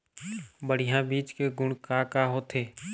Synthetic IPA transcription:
bəɽ̤ɪjãbiːt͡ʃkeɡʊɳkaːkaɦoːt̪ʰeː

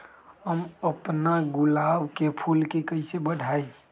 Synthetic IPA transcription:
ɦəməpnaɡʊlaːbkepʰulkekəɪsebəɽʱae

